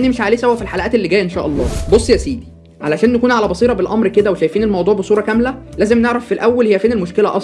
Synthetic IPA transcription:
nːimeʃʕaːliːsæhowæfilħalæʔæːt̪elːiɡæːjæʔenʃæ̰ːʔɑlˤːɑ̰ːbosˤːjæsiːd̪i | ʕalæʃæːnːækuːnʕalæbɑsˤiːɾˤɑbelʔɑmɾked̪æweʃæjfiːnelmɑwd̪ˤuːʕbesˤuːɾˤɑkæmlæ | læːzemneʕɾæfːilʔæwːælhejæfeːnelmoʃkelæʔɑsˤ

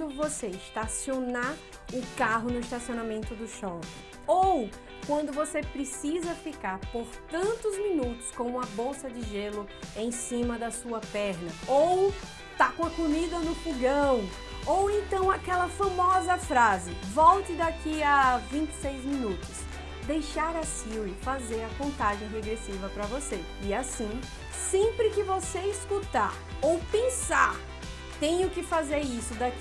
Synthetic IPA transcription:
ʊvoseɪʃt̪asionaɾ | ʊkaɦʊnʊiʃt̪asionamẽnt̪ʊd̪ʊʃɔpɪ̃ | ow | kwɐ̃nd̪ʊvosepɾɪsizɐfikaɾpoɾt̪ɐ̃nt̪ʊzmĩnut̪ʊ̥skõw̃ũmɐbowsɐd͡ʒɪʒelʊ | ẽj̃sĩmɐd̪ɐsuɐpɛɾnɐow | t̪akõɐkomid̪ɐnʊfuɡɐ̃w̃ | owẽnt̪ɐ̃w̃akɛlɐfamɔzɐfɾazɪvɔwt͡ʃɪd̪akiɐvĩnt͡ʃɪ̥sejzmĩnut̪ʊs | d̪ejʃaɾɐsiwifazeɾɐkõnt̪aʒẽj̃ɦeɡɾesivɐpɾɐvose | ɪasĩ | sẽpɾɪkɪvoseiskut̪a̰ɾowpẽsa̰ɾ | t̪ẽj̃ʊkɪfazeɾisʊd̪ak

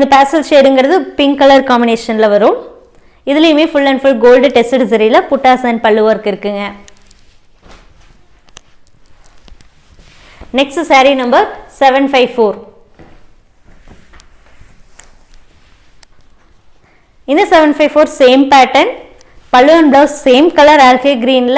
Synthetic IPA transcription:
ɪnd̪ɐpaːsɐlʃeːɾɯŋɡɪɾɐðɯpɪŋkɐlɐɾkaːmɪneːʂɐnlɐʋɐɾum | ɪðɪlɐjɯmeːfʊɭːɐ̃ɳfʊlɡoːlɖʈɛsʈɐʈɪsɐɾilɐpʊʈːaːsɐnpɐɭːɯʋɐːɾkɪɾɯkːɯŋɡɐ | nɛksʈsaːɾinɐmbɐɾsɛʋɐnfɐɪʋfoːɾ | ɪnd̪ɐsɛʋɛnfɐɪʋfoːɾseːmpæːʈːɐn | pɐɭːɯʋɐnbɭaːsseːmkɐlɐɾaːlɣeːɡɾiːnl

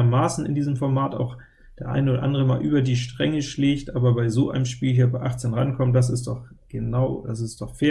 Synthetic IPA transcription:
ɐmaːsn̩ɪ̰ndiːzəmfɔɐmaːta̰ʊx | d̥eːɐʔa̰ɪnəoːɾɐ̰ʔa̰ndəʁəmaːlʔyːbɐdiːʃtʁ̥ɛŋəʃleːçtʔaːbɐbaɪzoːʔaɪnəmʃpiːlɦiːɐbaɪʔaχt͡senʁa̰nkʰɔmənd̥as̬ɪstd̥ɔχɡ̥ənaʊd̥asɪstd̥ɔχfeː

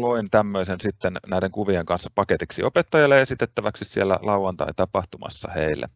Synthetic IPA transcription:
loint̪æmːøisensit̪ːennæˑiɾeŋkuʋieŋkɑnsːɑ̥pɑket̪iksiopet̪ːɑjɑlːeesit̪et̪ːæʋæksissielːæ̰lɑuʋɑnt̪ɑ̰it̪ɑpɑht̪umɑ̰sːɑ̰hḛilːæ̰

